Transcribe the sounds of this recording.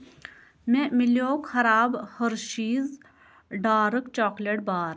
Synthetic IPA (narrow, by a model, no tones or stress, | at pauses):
mẽmɪljoːkxɐɾaːbhəɾʃiːz | ɖaːɾəkt͡ʃɔːkleʈ̚baːɾ